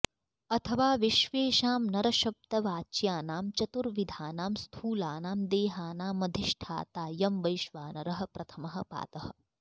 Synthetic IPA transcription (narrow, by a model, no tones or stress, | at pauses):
ɐt̪ʰɐʋaːʋiʃʋeːʃaːmnɐɾɐʃɐp̚t̪ɐʋaːt͡ʃjaːnaːmt͡ʃɐt̪uɾʋid̪ʱaːnaːmst̪ʰuːlaːnaːmd̪eːɦaːnaːmːɐd̪ʱiʃʈʰa̰ːt̪aːjɐmʋɐjʃʋaːnɐɾɐɦɐ̆pɾɐt̪ʰɐmɐɦɐ̆pa̰ːt̪ɐɦɐ̆